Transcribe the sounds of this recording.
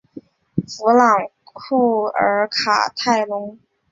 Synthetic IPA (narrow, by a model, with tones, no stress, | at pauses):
fu˧˥lɑ˨˩ŋ | kʰu˥˩ə̰˧˥kʰa̰˨˩t̪ʰa˥˩ɪlʊ˧˥ŋ